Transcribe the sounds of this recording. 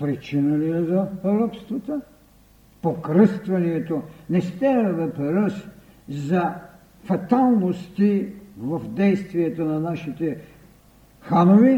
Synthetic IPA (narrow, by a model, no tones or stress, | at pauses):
pɾit͡ʃinəliɛzɐɾɔpst̪vɐt̪ə | pokɾəst̪vɐniɛt̪onɛst̪ɛɾɛvɛpɛɾəs | zɐ | fɐt̪alˠnost̪ivɐfd̪ɛjst̪viɛt̪onɐnaʃit̪ɛ | xanovi